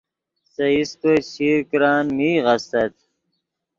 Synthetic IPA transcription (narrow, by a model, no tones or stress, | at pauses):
sɐist̪oɕʰiːɾkɾaːnmiːʁɐst̪ɐt̪̚